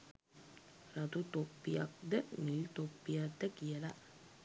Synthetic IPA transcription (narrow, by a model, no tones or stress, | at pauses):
ɾɐt̪ut̪opːijɐ̰k̚d̪ənilt̪opːijad̪ːɐkijɐla